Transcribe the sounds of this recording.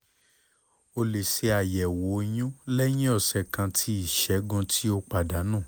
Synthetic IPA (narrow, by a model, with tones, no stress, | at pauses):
o˧le˨se˧a˨jɛ˨wo˨˦j̃ũ˦lɛ˦j̃ĩ˦ɔ˦˨sɛ˨kã˧tʰi˨˦i˦˨ʃɛ˨˦ɡũ˧tʰi˦o˧k͡pa˨da˨˦nãː˦˨